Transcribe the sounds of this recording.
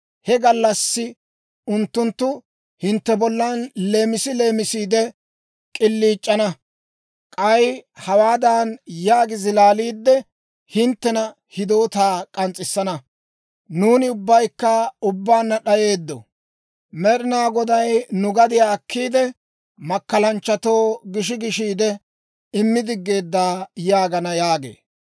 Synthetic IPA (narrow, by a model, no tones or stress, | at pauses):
hɛɡɐlːɐsːɪ | ʊnt̪ːʊnt̪ːʊ | hɪnt̪ːɛbɔlːanle̞ːmɪsɪle̞ːmɪsiːd̪ɛ | kʼɪlːiːt͡ʃʼːɐnɐ | kʼɐjhɐwaːd̪aːnjaːɡɪzɪlaːliːd̪ːɛ | hɪnt̪ːɛnɐ | hɪd̪oːt̪aːkʼɐnt͡sʼɪsːɐnɐ | nuːnɪʊbːɐjkːɐʊbːaːnːɐɗɐje̞ːd̪ːɔ̰ | mɛɗɪnaːɡɔd̪ɐjnʊɡɐd̪ɪjaːkʰːiːd̪ɛ | mɐkːɐlɐnt͡ʃːɐt̪o̞ːɡɪʃɪɡɪʃiːd̪ɛ | ɪmːɪd̪ɪɡːe̞ːd̪ːaːjaːɡɐnɐjaːɡḛː